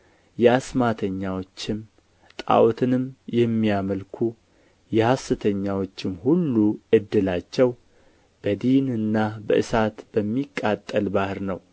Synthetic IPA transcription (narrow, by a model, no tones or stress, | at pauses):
jɛasmat̪ʰəɲːawo̞t͡ʃːɪm | t̪ʼa̰wt̪ʰɨnɨmjɛmːijaməlkʰu | jɛhasːɨt̪ʰəɲːawo̞t͡ʃːɪmhulːuʔɨd̪ːɨlat͡ʃːɛw | b̥əd̪inɨnːabəʔɨsat̪b̥əmːikʼːat̪ʼːəlbahɨɾnəw